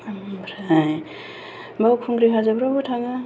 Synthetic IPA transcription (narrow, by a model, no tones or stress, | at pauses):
bɾaj | bawkʰuŋɡɾiɦʰazabɾabutʰaŋa